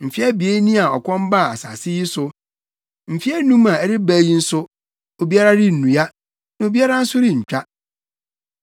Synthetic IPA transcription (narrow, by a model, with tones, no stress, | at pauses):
m̩˨fi˦ɛ˦bi˨e˦nĩ˦a˨ɔ̰˨kʷʰɔ̃˦m˦ba˦˨a˨sa̰˨sɪ˦ji˦sʊ˦ | m̩˨fi˦ɛ˦nũ˦mã˨ɛ˨ɾɪ˦bæ˦ji˦n̩˦sʊ˦ | o˨bi˦a˦ɾa˦ɾɪ˦n̩˨nũ˨ja˦ | nã˨˦o˨bi˦a˦ɾa˦n̩˦sʊ˦ɾɪ˦ɲ̩˨t͡ɕᶣa˦